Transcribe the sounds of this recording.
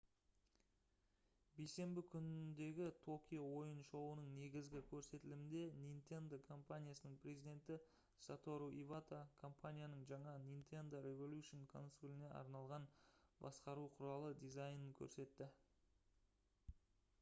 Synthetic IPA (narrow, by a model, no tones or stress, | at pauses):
bejse̞mbɪkʲʰʏnɪd̪e̞ɡʲɪt̪ʰo̞kʲijowo̞jənʃowənəɴne̞ɡʲɪzɡʲɪkʲʰɵɾse̞t̪ɪlɪmɪnd̪e̞nijnt̪e̞nd̪okʰo̞mpanʲijasənəɴpʰrʲezijd̪e̞nt̪ɪ | sat̪o̞ɾuʔivat̪akʰo̞mpanʲijanəɴʒɑɴɑnint̪e̞nd̪o̞ɾe̞volʲuʃonkʰo̞̰nsulʲɪne̞ɑ̰ɾnɑlˠʁɑnbɑsqɑɾuqʰʊɾɑlˠəd̪izajnəŋkʲʰɵ̰ɾse̞t̪ːɪ